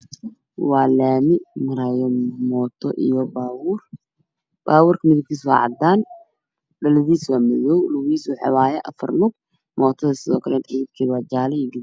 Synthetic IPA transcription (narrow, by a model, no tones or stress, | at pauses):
wɑːlaːmɪmɐɾajɔmɔːt̪ʰɔ̰ʔijɔbawr | b̥aːwʊːrkʰɐmɪðɪb̚kʰiːs̬wa̰ːʕɑ̰d̪aːn | ɖɐlɐðiːswaːmɐðɔwlʊwiːswʊħɑ̰waːjɛʔɐfɐ̰rnʊɡ̚ | mɔːt̪ʰɔðɐsɪðɔ̰ːkʰɐlɛnt̪ʰɪɪb̚kʰiːðwaːd͡ʒaːlɛjiɡɪð